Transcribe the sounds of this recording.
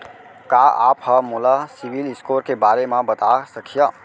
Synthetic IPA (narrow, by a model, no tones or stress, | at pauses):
kaːa̰ːphəmolasiʋilɪskoːɾkebaːɾemãbət̪asəkʰija